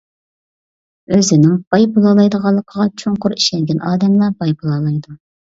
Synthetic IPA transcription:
øzɪnɪŋb̥ɑjbulˠɑlˠɑjd̪əʁɑlˠːəqʰəʁɑt͡ʃʰoŋqʊɾi̥ʃɛŋɡʲɛnɑːd̪ɛmlˠɑbɑjbulˠɑːlˠɑjd̪u

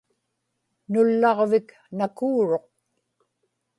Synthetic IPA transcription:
nʊlːɑʁvɪk | nakuːɻo̞q̚

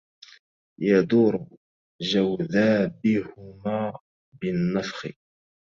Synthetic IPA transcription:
jad̪uːɾ | d͡ʒawðaːbɪhʊmaː | bɪnːɑfxɪ̰

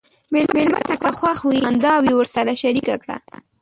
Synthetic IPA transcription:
melmelma̰t̪akaxwaxwind̪ɑwiwəɾsaɾaʃaɾikakɽa̰

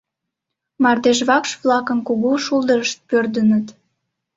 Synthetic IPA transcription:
mɑrd̪eʃβɑkʃβlɑkənkuɣuʃulˠd̪əɾəʃt̪̚pørd̪ənət̪

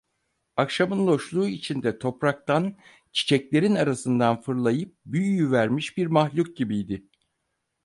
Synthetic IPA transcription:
akʃamɯnlˠo̞ʃlˠuːit͡ʃʰind̪ɛt̪ʰo̞pɾak̚t̪an | t͡ʃʰi̥t͡ʃʰɛclʲe̞ɾinaɾasɯnd̪anfɯɾlˠajɯp̚byjyjyvæɾmiʃbiɾmahlʲuk̚ɟibijd̪ɪ

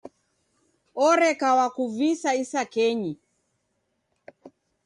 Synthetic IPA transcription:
ɔɾɛkawakuvisaisakɛɲi

